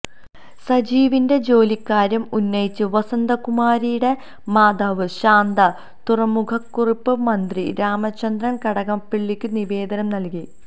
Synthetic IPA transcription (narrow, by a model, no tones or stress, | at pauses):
sɐd͡ʑiːʋinde̞d͡ʑo̞ːlikːaːɾɐmunːɐjit͡ɕːɨʋɐsɐnd̪ɐkumaːɾijuɽe̞ | maːd̪ɐʋɨɕaːnd̪ɐ | t̪urɐmukʰɐkːuripːɨmɐnd̪riɾaːmɐt͡ɕːɐnd̪ɾɐnkɐɽɐɣɐmpeɭːikʲːɨniʋe̞ːd̪ɐnɐmnɐlki